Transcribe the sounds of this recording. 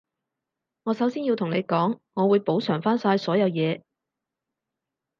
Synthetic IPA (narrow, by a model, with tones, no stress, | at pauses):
ŋɔː˨˧sɐ˨˥wsiː˥nji˧wt̪ʰʊ˨˩ŋne˨˧jkɔː˨˥ŋŋɔː˨˧wuː˨˧jpo˨˥wsœː˨˩ŋfaː˥nsaː˧jsɔː˨˥jɐ˨˧wjɛː˨˧